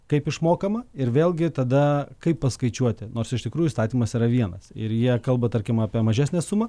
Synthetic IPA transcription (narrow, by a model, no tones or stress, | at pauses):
kɐɪpɪʃmoːkɐmɐɪɾʋʲeːlˠʲɡʲɪt̪ɐd̪ɐkɐɪppɐskɐɪt͡ʃʲuɔt̪ʲɪnoːrsɪʃt̪ʲɪkɾuːʊiːst̪ɑːt̪ʲiːmɐsiːɾɐʋʲiɛnɐsɪɾjiɛkɐlˠbɐt̪ɐɾʲkʲɪmɑːpʲiɛmɐʒʲæːsʲnʲɛsumɐ